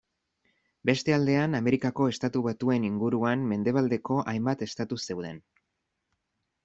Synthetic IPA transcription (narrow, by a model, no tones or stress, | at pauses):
be̞st̪e̞ald̪e̞aname̞ɾikako̞e̞st̪at̪uβat̪ue̞niŋɡuɾuanme̞nd̪e̞β̞ald̪e̞ko̞ʔajmbat̪e̞st̪at̪use̞wðe̞n